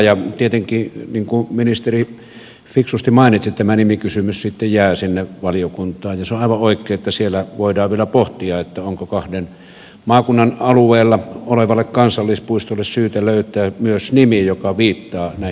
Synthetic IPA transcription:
jɑt̪iet̪eŋkiːniːŋkuminist̪eri | fiksust̪imɑˑinit̪sit̪æmænimikysymyssit̪ːejjæːsinːeʋɑlijokunt̪ˑɑːjjɑseoʔɑˑʋɑʔoˑikˑeːet̪ːæsielːæʋoˑidɑːʋʋielæpoht̪iɑet̪ːæoŋkokɑhden | mɑːkunːɑnɑlueˑːlːɑoleʋɑlːekkɑnsɑlːispuist̪olːessyːt̪æløˑyt̪ˑæːmyøsnimijokɑʋiːt̪ːɑːnæˑi

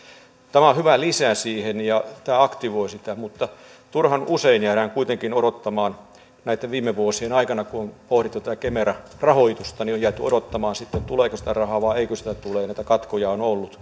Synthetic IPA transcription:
t̪æmæohyʋælisæsiːhenjɑt̪æːɑkt̪iʋoisit̪æmut̪ːɑt̪urhɑnuseinjæːɾæŋkuit̪eŋkinoɾot̪ːɑmɑːn | næˑit̪ːeʋʋiːmːeʋuosienɑikɑnɑkuompohɾit̪ːut̪æækemeɾæ | rɑhoit̪ust̪ɑniojæt̪yo̰ɾot̪ːɑmɑːnsit̪ːet̪uleːkøsi̥t̪ærɑhɑːʋɑːeikøsi̥t̪æt̪uleːnæˑit̪ækɑt̪kojɑonolːut̪

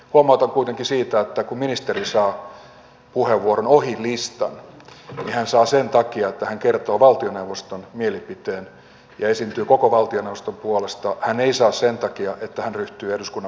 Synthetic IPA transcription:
huɑmɑut̪ɑŋkuit̪eŋkisiːt̪æet̪ːækumminist̪erisɑː | puheʋːuoɾonohilist̪ɑ̰nnihænsɑːsent̪ɑkiɑet̪ːæhæŋkert̪oːʋɑlt̪ionewʋost̪onmielipit̪eːn | jɑesint̪yːkokoʋɑlt̪ionewʋost̪ompuolest̪ɑhæneisɑːssent̪ɑkiɑʔet̪ːæhænryht̪yːehduskunːɑ

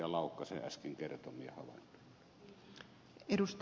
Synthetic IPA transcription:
ɑlɑˑokːɑsḛʔʔæskiŋkert̪omiehɑʋɑ̰nt̪o̥ | edust̪

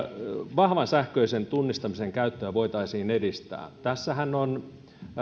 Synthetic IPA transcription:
ʋɑhʋɑnsæhkøisent̪unːist̪ɑmiseŋkæyt̪ːøːʋoit̪ɑisiːnedist̪æ̰ːt̪æsːæhænːon

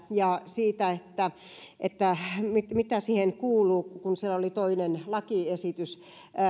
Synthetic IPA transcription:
jɑsiːt̪æet̪ːæ | ʔet̪ːæmimit̪æsiːheŋkuːluːkunsielolit̪oinenlɑkiesit̪ys

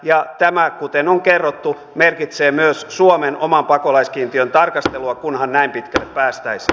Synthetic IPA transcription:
jɑt̪æmækut̪enoŋkerːot̪ːu | merkit̪seːmyøssuomenomɑmpɑkolɑiskiːnt̪iønt̪ɑrkɑst̪eluɑkunhɑnnæimpit̪kælːeppæːst̪æis

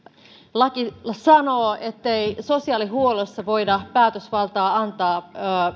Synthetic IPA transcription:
lɑkisɑno̞ːet̪ːeiso̞siɑːliɦuolesːɑʋo̞idɑpæːt̪øsʋɑlt̪ɑːɑnt̪ɑː

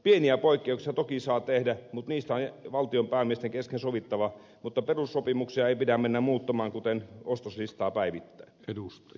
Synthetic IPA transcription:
pieniæpoˑikːeˑuksiɑt̪okisɑːt̪ehdæmut̪niːst̪æonʋɑlt̪iompæːmiest̪eŋkeskensoʋit̪ːɑʋɑ | mut̪ːɑperusːopimuksiɑeipidæmmenːæmmuːt̪ːɑmɑːŋkut̪enost̪oslist̪ɑːpæiʋit̪ːæinedust̪ɑ

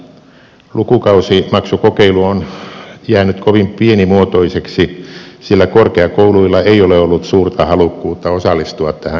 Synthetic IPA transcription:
lukukɑusimɑksukokeiluonjæːnyt̪koʋimpienimuot̪oiseksisilːækorkeɑkouluilːɑeioleolːut̪suːrt̪ɑhɑlukːuːt̪ːɑosɑlːˑist̪uɑt̪tæhæ

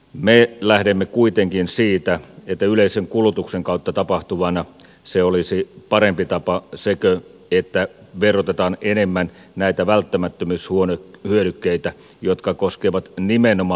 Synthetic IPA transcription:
melæhdemːekuit̪eŋkinsiːt̪æet̪ːæyleiseŋkulut̪ukseŋkɑˑut̪ːɑt̪ɑpɑht̪uʋɑnɑ | seolisipɑɾempit̪ɑpɑsekø | et̪ːæʋerot̪et̪ɑːnenemːæn | næit̪æʋælt̪ːæmæt̪ːømyːshuonehyøɾykːeit̪æ | jot̪kɑkoskeʋɑt̪nimenomɑ

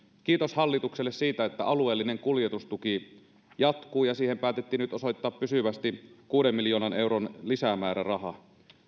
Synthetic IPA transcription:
kiːt̪oshɑlːit̪ukselːessiːt̪æet̪ːæɑlue̞ːlːine̞ŋkuljet̪ust̪uki | jɑt̪kuːjɑsiːhempæːt̪et̪ːiːnyt̪oso̞jt̪ːɑːppysyʋæst̪ikuːdemːiljoːnɑnʔe̞wɾonlisæmæːɾærɑɦɑ

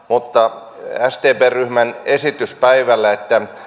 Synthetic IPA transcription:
mut̪ːɑ | æst̪eːpeːryhmænesit̪yspæiʋælːæet̪ːæ

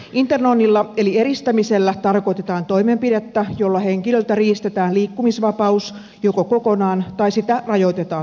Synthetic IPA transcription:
ʔint̪ernonːilːɑelieɾist̪æmiselːæt̪ɑrkot̪et̪ɑːnt̪oimempiɾet̪ːæjolːɑheŋkilølt̪æriːst̪et̪æːnliːkːumisʋɑpɑus | jokokokonɑːnt̪ɑisit̪ærɑjot̪et̪ɑːn

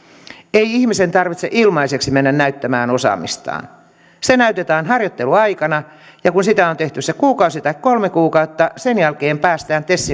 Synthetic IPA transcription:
eiihmisent̪ɑrʋit̪sḛʔilmɑiseksimenːænnæyt̪ːæmæːnosɑ̰mḭst̪ɑ̰ːn | senæyt̪et̪æːnhɑrjot̪ːeluɑikɑnɑ | jɑkunsit̪æont̪eht̪ysekuːkɑusit̪ɑikkolmekuːkɑut̪ːɑsenjælkeːmpæːst̪æːnt̪esːi

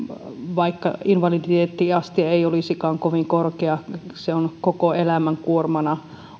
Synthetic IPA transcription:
ʋɑikːɑ̰inʋɑlid̪it̪eːt̪ːiɑst̪iɑeiolisikɑːŋkoʋiŋkorkeɑseonkokoelæmæŋkuormɑnɑ

